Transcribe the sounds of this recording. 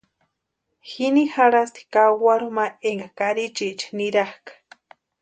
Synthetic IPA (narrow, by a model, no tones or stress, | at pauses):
xinixaɾast̪i̥kawaɾumaeŋɡakaɾit͡ʃit͡ʃi̥niɾahkḁ